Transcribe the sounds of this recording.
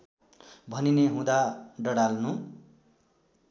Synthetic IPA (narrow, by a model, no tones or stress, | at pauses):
bʱʌnineɦũd̪aɖʌɽalnũ